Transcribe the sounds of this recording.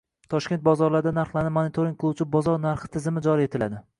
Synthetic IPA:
t̪ʰɒʃkʲet̪̚bɒzɒɾlaɾd̪anaɾχlˠanɪmonɪt̪ʰoɾiŋkʲʰot͡ʃʰɪbɒzɒɾnaɾχɨ̥t̪ʰɪzɪmɪd͡ʒɒɾie̞t̪ʰɪlad̪ɪ

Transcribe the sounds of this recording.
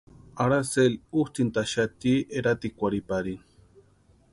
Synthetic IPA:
aɾaseluht̪int̪aʃat̪ieɾat̪ikʷaɾipaɾi

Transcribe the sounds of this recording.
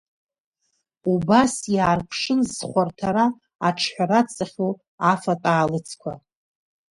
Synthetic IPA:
ubasjaːrpʷʰʂɨnzχʷartʰaɾa | aʈ͡ʂʰħʷᶣaɾat͡sʼaχʲo | afatʼaːlɨt͡sʰkʷʰa̰

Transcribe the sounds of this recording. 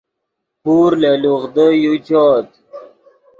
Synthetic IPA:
puːɾleluʁd̪əjut͡ɕɔːt̪̚

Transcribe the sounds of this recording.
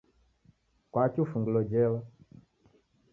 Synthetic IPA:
kwat͡ʃufuŋɡlɔd͡ʒɛwa

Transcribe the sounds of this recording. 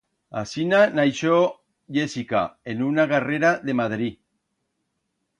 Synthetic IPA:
a̰sinanajʃo | jesika̰enunaɣareɾaðemaðɾi

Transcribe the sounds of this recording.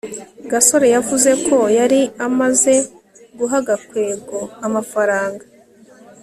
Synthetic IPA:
ɡaso̞ɾe̞javuze̞kʰo̞jaɾiamaze̞ | ɡuɦaɡakwe̞ːbɡo̞amafaɾaːŋɡa

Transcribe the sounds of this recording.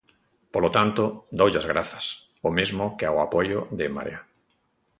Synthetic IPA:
polot̪ant̪od̪owʎazɣɾaθɐs | omezmokeawapojoðema̰ɾj̰a

